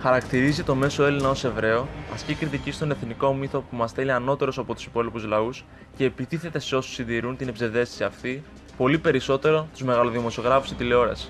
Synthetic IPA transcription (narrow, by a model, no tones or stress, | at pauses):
xɐɾɐkt̪iɾizit̪o̞me̞so̞e̞linɐo̞se̞vɾe̞o̞ɐ̰scikɾit̪icist̪o̞ne̞θniko̞miθo̞pumɐst̪eliɐno̞t̪e̞ɾo̞sɐpo̞t̪u̥si̥po̞lipuzlɐus | ce̞ːpit̪iθe̞t̪e̞seo̞su̥sinðiɾunt̪inebze̞nðe̞si̥siɐft̪i | po̞lipe̞ɾiso̞t̪e̞ɾo̞t̪uzme̞ɣɐloðimo̞sio̞ɣɾɐfusit̪ileo̞ɾɐ̰s